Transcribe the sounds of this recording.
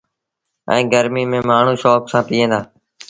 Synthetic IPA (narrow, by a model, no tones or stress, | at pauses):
ɛ̰̃ːɡəɾmiːmẽːmaːɳ̤ũːʃoːksãːpiːɦẽːd̪aː